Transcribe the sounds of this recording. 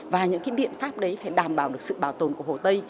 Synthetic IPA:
vaː˨˩ɲɨ̰˧˥ŋkaː˨˦jɓḭ˧˨ənfaː˦˥p̚ɗə˨˦jfaː˧˩jɗaː˨˩mɓaː˨˩wɗɨ˨˩ək̚sɨ̰˧˨ɓaː˨˧˩wt̪o˨˩nku˧˩əho˨˩t̪ə˧j

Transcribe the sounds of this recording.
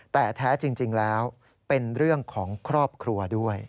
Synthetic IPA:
t̪ɛː˨˩t̪ʰaː˦˥t͡ɕi˧ŋt͡ɕi˧ŋlɛː˦˥w | pe˧nɾɯ˥˩əŋkʰɔː˩˦ŋkʰɾɔː˥˩p̚kʰɾu˧ɐdu˥˩əj

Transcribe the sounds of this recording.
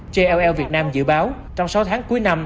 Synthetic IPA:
t͡ɕe˧ʔɛ˧wʔɛ˧wvi˨˩ət̚naː˧mzɨ̰˧˨ɓaː˨˦w | t͡ɕɔ˧wŋ͡msa˨˦wt̪ʰaː˨˦ŋku˨˦əjna˧m

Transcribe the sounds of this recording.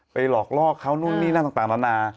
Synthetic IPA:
pa˧jlɔː˨˩k̚lɔː˥˩kʰːa˦˥wnu˥˩ŋniː˥˩na˥˩t̪a˨˩t̪aː˨˩nda˧˥naː˧

